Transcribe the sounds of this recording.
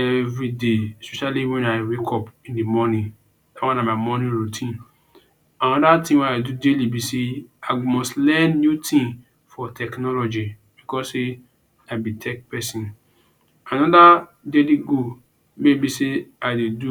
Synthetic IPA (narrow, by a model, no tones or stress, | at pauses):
ɛvɹidespɛʃaliwɛ̃naɪwekʰɔpĩndimɔnĩ | dawãnãmaɪmɔnĩɹutʰĩn | ãnɔdatĩwɛ̃naɪdudelibiseaɪmɔstlɛ̃nːjutʰĩŋ | fɔtʰɛknɔlɔd͡ʒi | bikɔse | abitʰɛk̚pɛsĩn | ãnɔda | dediɡo | mebiseadedu